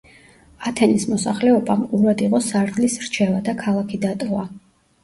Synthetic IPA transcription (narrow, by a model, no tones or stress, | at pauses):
at̪ʰɛnismɔsaχlɛɔbamquɾad̪iʁɔsaɾd̪lisɾt͡ʃʰɛvad̪akʰalˠakʰid̪at̪ʼɔva